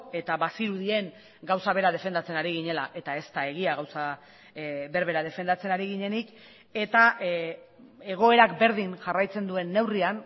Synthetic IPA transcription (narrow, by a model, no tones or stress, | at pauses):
e̞t̪aβasiɾuðie̞ŋ | ɡawsaβe̞ɾað̞e̞fe̞nd̪at͡se̞naɾiɣ̞iɲe̞laʔe̞t̪ae̞st̪ae̞ɣ̞iaɣawsa | βe̞ɾβe̞ɾað̞e̞fe̞nd̪at͡se̞naɾiɣiɲe̞nik | e̞t̪a | eɣ̞o̞e̞ɾakbe̞ɾðiŋʝarajt͡se̞nd̪ue̞nːe̞wrian